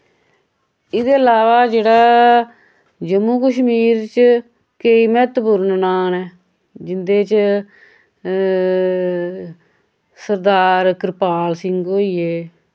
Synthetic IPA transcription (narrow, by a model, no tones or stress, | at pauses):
ɪd̪eːəlaːʋaːd͡ʒeːɽaː | d͡ʒəmːuːkəʃmiːɾt͡ʃ | keiːmɛːt̪puɾənnaːnɛː | d͡ʒɪnd̪eːt͡ʃ | səɾd̪aːɾkɾɪpaːlsɪŋɡɦoːiːeː